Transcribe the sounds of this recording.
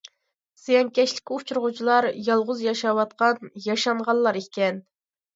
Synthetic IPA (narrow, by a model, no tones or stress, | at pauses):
sejɛŋkʲɛʃlɪ̥kʲut͡ʃʰuɾʁʊt͡ʃʰilˠɑɾjɑlˠʁʊzjɑʃɑwɑt̪̚qɑnjɑʃɑɴʁɑlˠlːˠɑɾekʲʰɛn